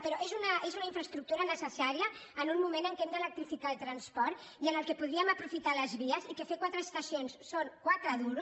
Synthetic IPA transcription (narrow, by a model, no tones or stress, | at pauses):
pəɾɔʔezunəʔezunaiɱfɾəst̪ɾuk̚t̪uɾənəsəsaɾiəːnunmumenəŋkemd̪ələk̚t̪ɾifikalt̪ɾɐnspɔɾt̪ | iənəlˠkepuðɾiəməpɾufit̪aləzβiəzikefekwat̪ɾəːst̪əsionsːoŋkwat̪ɾəðuɾu